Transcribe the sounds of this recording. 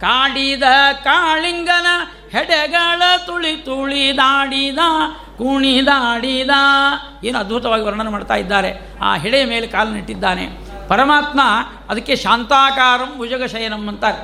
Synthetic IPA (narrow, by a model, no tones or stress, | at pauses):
kaːɽid̪ɐkaːɭiŋɡɐnɐ | hɛɽɛɡɐɭɐt̪uɭit̪uɭid̪aːɽid̪a | kuɳid̪aːɽid̪a | eːnuɐd̪̚bʱut̪ɐʋaːɡiʋɐɾɳɐnːumaːɽɖt̪a̰ːjid̪ːaːɾḛ | a̰ːɦɛɽejɐmeːlekaːlɐniʈːid̪ːaːnḛ | pɐɾɐmaːt̪ma | ɐd̪ɐkːeʃaːnt̪aːkaːɾɐmud͡ʒɐɡɐʃɐjɐnɐmːɐnt̪ɐ